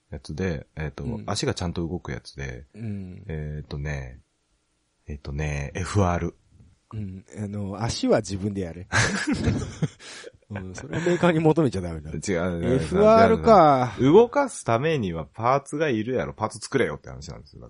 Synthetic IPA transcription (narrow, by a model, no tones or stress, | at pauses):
jat͡sɨd̪e̞et̪o̞̰aɕiɡat͡ɕãnt̪o̞ɯ̟ɡo̞kɯ̟ja̰t͡sɨ̥d̪ḛɯ̃et̪o̞ne̞̰ | et̪ːo̞ne̞eɸɯ̟aːɾɯ̟ | ɯ̟̃ɴanoaɕiβad͡ʑibɯ̟̃nd̪e̞jaɾe | ɯ̃soɾeameːkaɲ̟imot̪o̞me̞t͡ɕad̪amed̪at͡ɕiɡaeɯaɾɯ̟kaɯ̟ɡo̞kasɨ̥t̪ame̞ɲ̟iβapaːt͡sɨɡaiɾɯ̟jaɾʔo̞̰paːt͡sɨ̥t͡sɨ̥kɯ̟ɾe̞jo̞̰t̪ːeha̰naɕinã̰nd̪e̞sɨjo̰a̰